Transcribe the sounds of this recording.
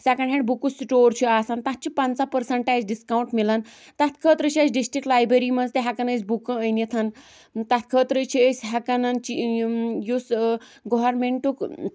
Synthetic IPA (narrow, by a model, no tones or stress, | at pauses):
sakɐɳɦẽɖbukusʈoɾt͡ɕʰiasant̪at̪̚t͡ɕʰipãnt͡sapəɾsəɳʈat͡sɖiskauɳʈmilan | t̪at̪kʰəːt̪ɾət͡ʃʰiat͡ʃɖisʈɾik̚ʈlajbɾeɾiːməd͡zt̪eɦakanəsbukə̃əjnit̪ʰan | t̪at̪ʰkʰət̪ɾət͡ɕʰiəsɦakanant͡ɕijus | ɡoʋəɾmeɳʈuk